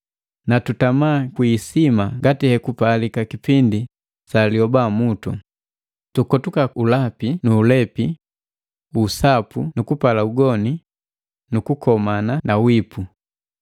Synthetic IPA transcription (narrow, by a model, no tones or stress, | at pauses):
natutamaːkwisimaŋɡatihɛkupalikakipindi | saliɔbamutṵ | tukɔtukaulapinuːlɛpi | usapunukupalauɡɔni | nukukɔmananawipu